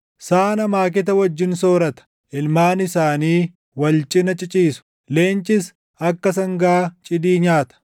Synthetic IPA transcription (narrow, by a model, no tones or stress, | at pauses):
saːnɐmaːk̬ɪt̪̬ɐwɐd͡ʒːɪnsoːɾɐt̪ɐ̥ | ʔɪlmaːnɪsaːniː | wɐlt͡ʃʼɪnɐt͡ʃʼɪt͡ʃʼiːsʊ̥ | le̞ːnt͡ʃʼɪs | ɐkːɐsɐŋɡaːt͡ʃʼɪd̪iːɲaːt̪ɐ̥